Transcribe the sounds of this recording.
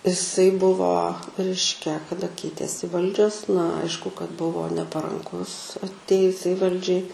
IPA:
ɪˈsɐɪ ˈbʊʋoː ˈrʲɛɪʃʲkʲɛ kɐˈdɐ ˈkʲɛɪtʲeːsʲɪ ˈʋɐlʲd͡ʒʲoːs nɐ ˈɐɪʃkʊ kɐt ˈbʊʋoː nʲɛpɐrɐŋˈkʊs ɐtʲˈeːjʊsʲɛɪ ˈʋɐlʲd͡ʒʲɛɪ

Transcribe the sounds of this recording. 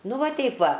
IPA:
ˈnʊ ˈʋɐ ˈtʲɛɪp ˈʋɐ

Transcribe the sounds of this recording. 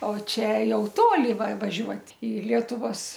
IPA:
oː ˈt͡ʃʲɛ ˈjɛʊ ˈtoːlʲɪ ʋɐ ʋɐˈʒʲuɔtʲ ɪ ˈlʲiɛtʊʋoːs

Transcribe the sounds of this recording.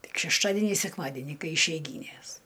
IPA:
ˈtʲɪk ʃʲɛʃˈtɑːdʲɛnʲiː sʲɛkˈmɑːdʲɛnʲiː ˈkɐɪ ɪʃʲɛɪˈɡʲiːnʲeːs

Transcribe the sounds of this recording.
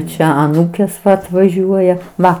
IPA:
ˈt͡ʃʲɛ ɐˈnuːkʲeːs ɐtʋɐˈʒʲuɔjɛ ˈʋɐ

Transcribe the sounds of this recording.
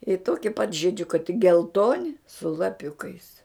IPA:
ɪ ˈtoːkʲɪ pɐt ʒʲɪˈd͡ʒʲʊkɐɪ tʲɪk ɡʲɛlˠˈtoːnʲɪ sʊ lˠɐˈpʲʊkɐɪs

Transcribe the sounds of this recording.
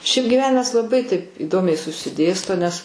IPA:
ʃʲɛɪp ɡʲɪˈʋʲæːnʲɪmɐs lˠɐˈbɐɪ tɐɪp iːˈdoːmʲɛɪ sʊsʲɪˈdʲeːstoː nʲɛs

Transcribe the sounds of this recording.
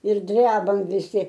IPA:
ɪr ˈdʲrʲæːbɐm ʋʲɪˈsʲɪ

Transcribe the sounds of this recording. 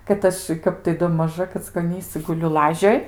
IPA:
kɐt ˈɐʃ ˈkɐp tɐɪ doː mɐˈʒɐ kɐt͡skoːˈnʲiːsɨ ɡʊˈlʲʊ ˈlˠɑːʒʲoːj

